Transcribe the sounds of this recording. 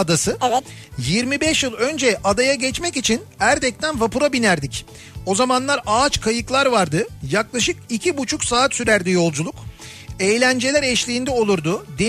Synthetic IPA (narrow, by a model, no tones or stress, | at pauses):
d̪asɯjiɾmibɛʃjɯlˠø̞nd͡ʒɛʔad̪ajaɟɛt͡ʃmɛcit͡ʃʰinæɾd̪ɛc̚t̪ʰænvapuɾabinæɾd̪ic | o̞zamanlˠaɾaːt͡ʃkʰajɯklˠaɾvaɾd̪ɯjaklˠaʃɯkicʰibut͡ʃʰuksaːt̪syɾæɾd̪ijo̞lˠd͡ʒulˠuk | ejlʲænd͡ʒe̞lʲæɾɛʃlʲiːnd̪ɛo̞lˠuɾd̪ʊd̪e